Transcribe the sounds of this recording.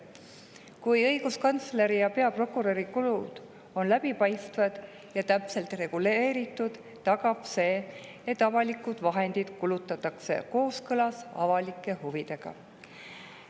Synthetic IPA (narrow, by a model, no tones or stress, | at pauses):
kujɤiɡ̥uskɑnt̪sle̞ɾijɑpe̞ɑpro̞kːˑuɾoɾikulud̪̥ | o̞nlæbipɑjst̪vɑd̪̥ | jɑt̪æpse̞lt̪re̞ɡ̥ule̞ːɾit̪ːˑud̪̥ːɑɡ̥ɑb̥se̞ː | et̪ːˑɑvɑlikːˑud̪̥vɑɦe̞nd̪̥id̪̥kulut̪ːˑɑt̪ːˑɑksḛko̞ːskɤlɑsɑ̰vɑlikːˑe̞huvid̪̥e̞ɡ̥ɑ̰